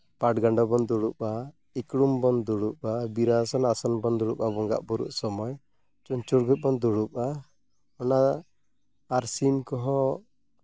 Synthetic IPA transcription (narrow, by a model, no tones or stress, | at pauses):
paʈɡaɳɖɔbɔnd̪uɽuʔa | ikɽumbɔnd̪uɽupabiɾasɔnasɔnbɔnd̪ɔɽupabɔŋɡa̰ʔbuɾṵʔsɔmɔj | t͡ʃuɲt͡ʃuɽɡut̪̚ˀbɔnd̪uɽup̚a | ɔna | ɾsinkɔɦɔ̃